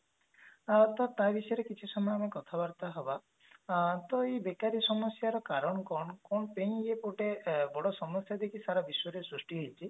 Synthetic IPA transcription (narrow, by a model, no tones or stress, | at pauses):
t̪ɔt̪abisɔjɔɾekit͡ʃʰisɔmɔjɔamekɔt̪ʰabaɾt̪aɦɔba | t̪ɔebekaɾisɔmɔsjaɾɔkaɾɔɳɔkɔɳɔkɔnɔpeŋiepoʈebɔɽɔsɔmɔsjad̪ekʰisaɾabiswɔɾisɾusʈiɦojt͡ʃʰi